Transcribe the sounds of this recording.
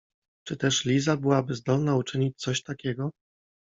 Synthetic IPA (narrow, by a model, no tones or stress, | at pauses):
t͡ʂɘt̪ɛʂlʲizabɘwabɘzd̪ɔlnaut͡ʂɘɲit͡ɕ̚ʲt̪sɔɕt̪akʲɛɡɔ